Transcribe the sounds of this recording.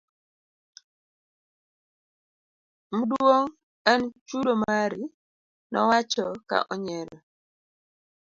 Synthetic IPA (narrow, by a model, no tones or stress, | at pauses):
mudoŋ | ɛnt͡ʃudomaɾi | nɔ̰wat͡ʃɔka̰ʔɔɲɛɾɔ